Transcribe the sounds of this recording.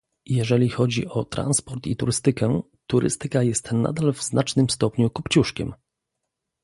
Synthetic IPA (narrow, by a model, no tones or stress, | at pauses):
jɛʐɛlʲixɔd͡ʑḭʔɔt̪ɾa̰nspɔɾt̪it̪uɾɘst̪ɘkɛ | t̪uɾʔɘ̰st̪ɘkajɛst̪na̰d̪alvznat͡ʂnɘmst̪ɔpɲukupt͡ɕuʂkʲɛ̰m